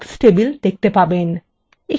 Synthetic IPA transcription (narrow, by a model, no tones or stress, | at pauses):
sʈebild̪ek̚t̪epaben | e